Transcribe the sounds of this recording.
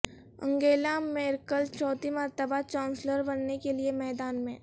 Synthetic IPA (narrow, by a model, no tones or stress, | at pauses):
ə̰̃ŋɡeːlamẽɪɾkəlt͡ʃʰɔːt̪imɐɾt̪əbat͡ʃaːʊnsləɾbɐnnekeliemɛːd̪aːnmẽ